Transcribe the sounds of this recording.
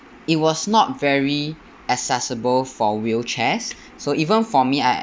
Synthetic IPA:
it̚wɔsnɔt̚vɛɹi | əsɛsəbəlfɔwilt͡ʃʰɛsː | oʔivə̃nfɔmia

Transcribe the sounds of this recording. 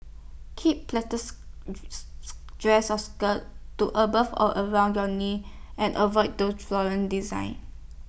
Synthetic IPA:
kʰip̚plɛtəs | dɹɛsɔskəttuʔəbəfɔ̰ʔəɹãʊ̃ndjɔniʔɛ̃nʔəvɔt̚dosflɔɹə̃ndizã̰ɪ̃n

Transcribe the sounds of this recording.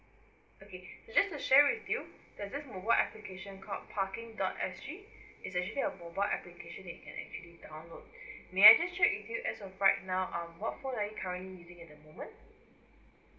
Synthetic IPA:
okʰesod͡ʒastuʃɛwɪθjud̥asdɪsmobaɪlʔɛplikʰeʃə̃nkʰɔ̰lpʰakɪ̃ŋdɔ̰tɛ̰sɹiɪs̬ɛk̚t͡ʃəliəmobaɪlʔɛ̰plikʰeʃə̃nɛt̚kʰɛ̃nʔɛ̰k̚t͡ʃuəlidãw̃nlod̚meajd͡ʒast͡ʃɛʔwɪθjuʔɛsɔvɹaɪt̚naʊʔʌ̃mwɔtfõnajukʰaɹə̃nʔlijuzɪ̃ŋɛt̚dəmomə̃nt

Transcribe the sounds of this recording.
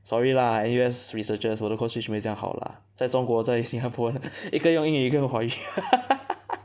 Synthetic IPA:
swɔilɐɛnuɛsɹisət͡ʃəswɔd̪əkʰʊŋɕʰymejŋxɑ̰lə̰ | t͡saɪʈ͡ʂʊŋkwɔt͡saɪɕiŋt͡ɕapʰwɔiɡəjʊŋiŋɡəəxway

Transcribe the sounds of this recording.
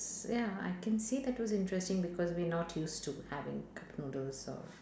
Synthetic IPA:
jaa̰ɪkɛ̃nsiːd̪æʈwɔzɪ̃nʈɾɛstɪ̃ŋbɪkɔːzʋinɔʈʰjuːsʈuhæʋɪ̰̃ŋkʰapnuːdəlzɔ̰ɾ

